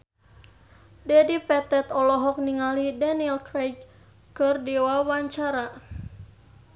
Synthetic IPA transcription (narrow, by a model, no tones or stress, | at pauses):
dɛdipɛt̪ɛt̪ɔlɔɦɔk̚niŋalidanilkɾɛjɡ | kɨrdiwawaɲt͡ʃaɾa